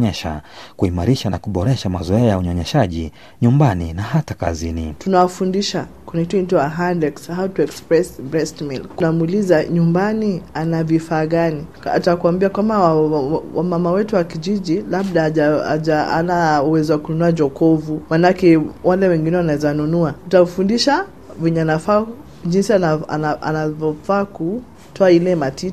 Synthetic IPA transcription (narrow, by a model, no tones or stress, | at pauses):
ɲɛʃa̰kuimaɾiʃanakuɓɔɾɛʃamazɔɛajauɲɔɲɛʃaʄi | ɲumbanḭnaɦataka̰zinḭtunawafundiʃakɛnikitim̩tɔjaɦandɛkshautuɛkspɾɛsbɾɛstmilknamuːlizaɲumbanianavifaːɠani | a̰takuwambiakwambawwamamawɛtuwakiʄiʄilab̚ɗaaa̰ʄaa̰nauwɛziwakununuad͡ʒɔkɔvumanakɛwʔalɛwɛŋɡinɛwanaɛzanunuatutafundiʃa | viɲanafaː | ʄinsiana̰naʔa̰navɔfaːku | tʰɔailɛmatit